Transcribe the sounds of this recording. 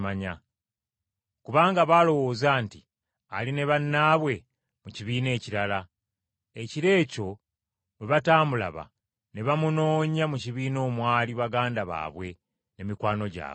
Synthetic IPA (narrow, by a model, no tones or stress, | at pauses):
maɲa | kuβaːŋɡaβaːlo̞wo̞ːzaːnti | aline̞βanːaːβwe̞ | muciβiːne̞ːciɾala | eciɾe̞ːco̞ | meβataːmbula̰βa̰ | neβamuno̞ːɲamuciβiːno̞ːmwaːliβaɡaːndaβa̰ːβwe̞ | ne̞mikwaːno̞ɟa̰ː